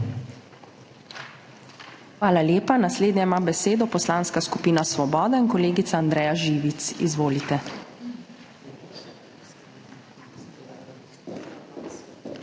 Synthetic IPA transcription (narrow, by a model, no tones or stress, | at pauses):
xʋaːlaljeːpanasleːd̪njaimaːbɛseːd̪ɔpɔslaːnskaskupiːnasʋɔbɔːd̪ainkɔleːɡit̪saaːnd̪ɾɛːjaʒiːʋit̪sḭzʋoːlit̪ɛ